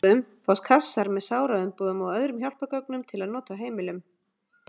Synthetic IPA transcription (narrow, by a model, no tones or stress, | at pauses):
ʏmfawskʰasːaɾmɛðsaːwɾaðʏmpuːðʏmawœðɾʏmçjawl̥pœkœknʏmt̪ʰɪlaðnɔːt̪aɦeːjmɪlʏm